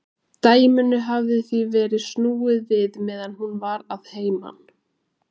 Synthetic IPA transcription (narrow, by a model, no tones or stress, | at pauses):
t̪aːjmʏnʏɦavðɪθvivɛːɾɪðsnuːɪðvɪðmɛːðanhunvaɾaðheːjma̰n